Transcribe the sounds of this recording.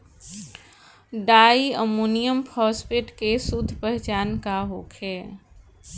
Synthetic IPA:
ɖaːiəmuːnijəmpʰɔːspeʈkesʊd̪ʱːpɛɦt͡ʃaːnkaɦoːkʰɦɛː

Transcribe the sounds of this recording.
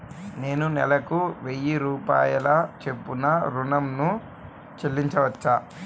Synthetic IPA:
ne̞ːnunɛlɐkuʋejiɾuːpa̰ːjɐlaːt͡ʃe̞pːunɐɾunɐmnu | t͡ʃelːiɲt͡ʃɐʋɐt͡ʃːaː

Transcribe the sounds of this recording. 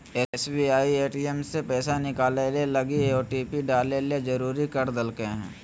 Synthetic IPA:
ɛsbiaːieːʈiemsepɛːsanɪkaːlelelɐɡieoːʈiːpiɖaːleled͡ʒɐɾuːɾikɐɾd̪əlkeɦɛ̰̃ː

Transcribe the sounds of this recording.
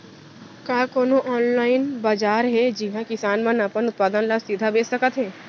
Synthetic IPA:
kaːkoːnoʔɔːnlaːɪnbaːd͡ʒaːɾɦɛd͡ʒɪɦãkɪsaːnmə̃nəpənʊt̪̚paːd̪ənlasid̪ʱabeːssəkət̪ɦɛː

